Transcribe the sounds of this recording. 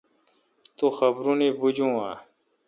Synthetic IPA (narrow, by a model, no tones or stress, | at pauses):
t̪uxɐbɾunibud͡ʑũːa̰ː